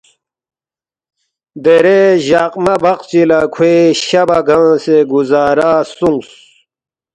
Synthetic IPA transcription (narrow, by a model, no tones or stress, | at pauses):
d̪eɾeʑaqmɐbɐqt͡ɕilakʰweɕabaɡãːseɡuzaːɾaːsuŋɡs